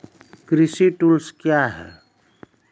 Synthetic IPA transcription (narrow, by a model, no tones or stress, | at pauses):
kɾisiʈulskjaɦɛ̰